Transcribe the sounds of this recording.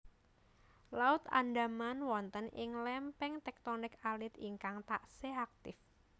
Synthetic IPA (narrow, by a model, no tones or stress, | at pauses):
laʊt̪a̰ndamanwɔnt̪ənʔɪ̰ŋlɛmpɛŋt̪ɛk̚t̪onɪkalɪt̪iŋkaŋt̪aʔseak̚t̪ɪf